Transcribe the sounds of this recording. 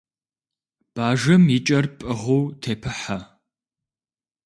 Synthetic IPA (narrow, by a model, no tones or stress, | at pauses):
b̥aːʒɐmit͡ʃʼɐrpʼɨʁowtʰeːpʰɨħa